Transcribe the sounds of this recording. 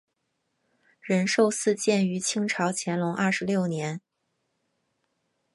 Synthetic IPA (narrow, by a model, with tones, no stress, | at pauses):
ɻə˧˥nʂo˥˧ʊsɹ̩˥˧t͡ɕjɛ˥˩ny˧˥t͡ɕʰi˥ŋʈ͡ʂʰɑ˧˥ʊt͡ɕʰjɛ˧˥nlʊ˧˥ŋʔɐ˥˩ʂɻ̩˧˥ljo˥˩ʊnjɛ˧˥n